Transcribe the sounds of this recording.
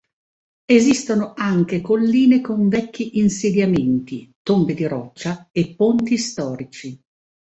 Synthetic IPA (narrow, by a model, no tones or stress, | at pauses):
ezist̪onoaŋk̟ekolːiːnekoɱvɛkːiʔinsed̪jament̪it̪ombed̪iɾɔt͡ʃːaepːont̪ist̪ɔːɾit͡ʃi